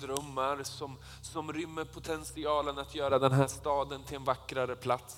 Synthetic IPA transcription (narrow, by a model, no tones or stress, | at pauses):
d̪ɾœmːaɾsɔm | sɔmɾʏmːəɾpʰʊt̪ʰɛnsɪɑːlənat̪ʰjœːɾad̪ɛnɦæːʂt̪ɑːd̪ənt̪ʰɪlɛnvakːɾaɾəpʰlat̪s